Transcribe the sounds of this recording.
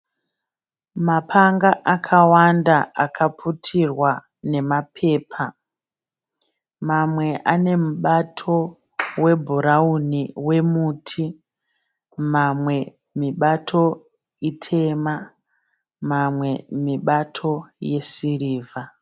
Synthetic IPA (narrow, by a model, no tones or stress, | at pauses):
mapʰaŋɡaʔakʰawandaakʰapʰutʰirwa | ne̞mapʰe̞ːpʰa | mamwe̞ʔane̞muɓatʰo̞ | we̞bʱuɾauniwe̞muːtʰi | mamwe̞ | miɓatʰo̞ | itʰe̞ma | mamwe̞miɓatʰo̞je̞siriːvʱa